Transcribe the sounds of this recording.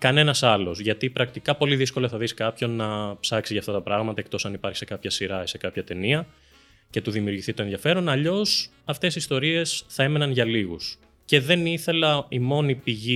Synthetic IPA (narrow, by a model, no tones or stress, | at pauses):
kɐne̞nɐsɐlo̞zʝɐt̪ipɾɐkt̪ikɐpo̞liðisko̞lɐθɐðiskɐpço̞nːɐpsɐksiʝɐːft̪ɐt̪ɐpɾɐɣmɐt̪ɐe̞kt̪o̞sɐnipɐɾçi̥se̞kɐpçɐsiɾɐese̞kɐpçɐt̪e̞niɐ | ce̞t̪uðimiuɾʝiθit̪o̞enðiɐfe̞ɾo̞nɐʎo̞sɐft̪e̞sist̪o̞ɾie̞sθɐe̞me̞nɐnʝɐliɣṵs | ce̞ðe̞niθe̞lɐimo̞nipiʝi